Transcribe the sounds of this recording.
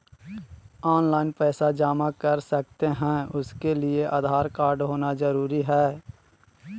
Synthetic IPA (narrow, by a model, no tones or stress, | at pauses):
ɔːnlaːɪnpɛːsad͡ʒaːmakɐɾsɐk̚t̪eɦɛ̃ʊskelɪeʔaːd̪ʱaːɾkaːɾɖɦoːnazəɾuːɾiɦɛː